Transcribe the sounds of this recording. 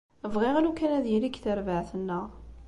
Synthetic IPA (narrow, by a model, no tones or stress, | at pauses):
əvʁiʁanukːænæðjiɾikθəɾvəʕθənːəʁ